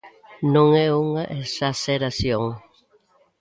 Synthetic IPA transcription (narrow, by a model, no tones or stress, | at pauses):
nõŋɛuŋaʔesaseɾasjoŋ